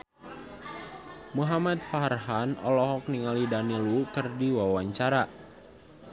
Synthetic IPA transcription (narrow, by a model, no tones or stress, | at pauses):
muɦamat̪̚faɦrɦanɔ̰lɔɦɔk̚niŋalidanilukɨrdiwawaɲt͡ʃaɾa